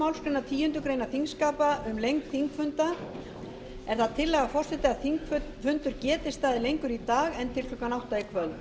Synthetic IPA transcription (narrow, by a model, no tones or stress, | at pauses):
awlskɾʏnat̪ʰiːjʏnt̪ʏkɾeːjnaθiŋskaːpaʏmlejŋkθiŋkfʏnt̪a | ɛɾ̥θaðt̪ʰɪlːɛːɣafɔr̥sɛt̪ɪaðθiŋkfʏnt̪ʏɾcɛːt̪ɪst̪aːðɪlejŋkʏɾit̪aːɣɛnt̪ʰɪlfʏkːanawht̪aikʰvœl